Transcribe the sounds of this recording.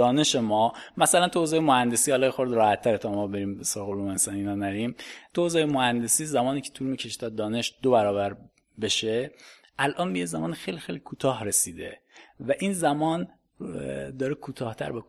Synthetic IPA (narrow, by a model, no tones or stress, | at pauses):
ɒːne̞ʃe̞mɒːmæsælænt̪ʰuozeːjemohænd̪e̞siːhɒlɒːjexoɾd̪ɾɒːhæt̪ʰːæɾet̪ʰɒmɒːbe̞ɾiːmbesɾɒɣoluːmeensɒːniːnɒːnæɾimt̪ʰuːzejemohænd̪e̞siːzæmɒːniːcʰet̪ʰulmiːcʰeʃi̥d̪ɒd̪̚d̪ɒːne̞ʃd̪obæɾɒːbæɾ | be̞ʃe | ʔælʔɒːnbejezæmɒ̰ːnixejlixejlikʰuːt̪ʰɒːhɾesiːd̪evæʔiːnzæmɒːn | d̪ɒːɾekʰuːt̪ʰɒːht̪ʰæ̰ɾbe